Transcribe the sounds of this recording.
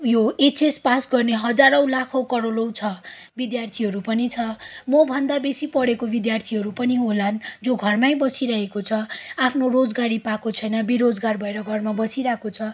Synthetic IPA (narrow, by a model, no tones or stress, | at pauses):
joet͡sespasɡʌrneɦʌd͡zaɾʌw̃lakʰʌwkʌɽolowt͡sʰʌ | bid̪jart̪ʰiɦʌɾupʌnit͡sʰʌmʌbʱʌnd̪abesipʌɽekobid̪jart̪ʰiɦʌɾupʌniɦoland͡zoɡʱʌrmajbʌsiɾʌɦekot͡sʰʌapʰnorod͡zɡaɾipakot͡sʰʌjnʌbiɾod͡zɡarbʱʌeɾʌɡʱʌrmabʌsiɾakot͡sʰʌ